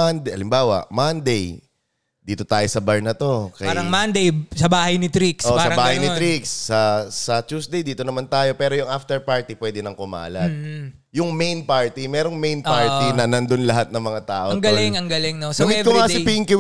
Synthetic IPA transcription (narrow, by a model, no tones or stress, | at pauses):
and̪ʔɐlɪmbaːwɐ̰ʔmɐnd̪ej | d̪iːt̪o̞t̪aːjo̞sɐbɐɹnɐt̪o̞kɐaɾɐŋmand̪ejsɐbaːhɐjnɪt̪ɾiksoʔsɐɾɐbaːhɐjnɪt̪ɾiksːɐsɐt͡ʃ̪uːsd̪ejd̪iːt̪onɐmant̪aːjo̞pɛːɾojʊŋʔaft̪ɛɹpaɹt̪ipwɛːd̪ɪnɐŋkʊma̰ːlɐd̪ | jʊŋmejnpaɹt̪imɛːɾo̞ŋmejnpaɹt̪inɐnɐnd̪onlɐɦat̪̚nɐŋmɐŋat̪aːʔoɐŋɡɐlɪŋɐŋɡɐlɪŋnosɐɪkːʊŋaːɪpiɪŋkɪw